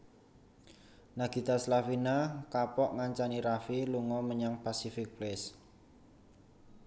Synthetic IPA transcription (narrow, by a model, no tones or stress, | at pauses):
naɡ̥i̤t̪aslafinakapɔʔŋaɲt͡ʃaniɾafiluŋɔməɲaŋpasifɪk̚plɛs